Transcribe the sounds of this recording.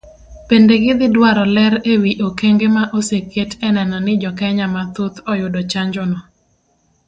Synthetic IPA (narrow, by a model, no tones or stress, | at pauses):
pendeɡɪd̪ɪdwaɾɔlɛɾewiʔokeŋɡemaʔoseketʰɛnɛnɔnɪd͡ʒɔkɛɲamat̪ut̪ɔjʊdɔt͡ʃaɲd͡ʒʊnɔ